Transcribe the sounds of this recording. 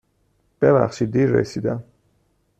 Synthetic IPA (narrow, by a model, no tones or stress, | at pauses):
b̥ɛla̰χʃid̪iɾːɛ̰sid̪a